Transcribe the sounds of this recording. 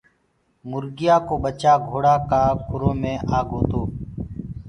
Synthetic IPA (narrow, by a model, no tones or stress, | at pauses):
mʊɾɡɪjaːkoːɓət͡ʃaːɡʱoːɽaːkaːkʰʊɾoːmẽːʔaːɡʱoːt̪oː